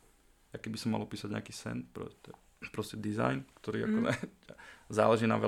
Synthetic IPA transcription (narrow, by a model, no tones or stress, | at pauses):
akɛbisɔmːa̰lɔpiːsaɟɲɛ̰akiːsɛ̰npɾɔ̰tɛ | pɾɔscɛd̪iza̰jnkt̪ɔɾiːakɔɛ | zaːlɛʒiːna̰ʋɛ